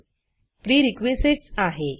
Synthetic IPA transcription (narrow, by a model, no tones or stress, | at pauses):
pɾiːɾikʋesiʈsaɦe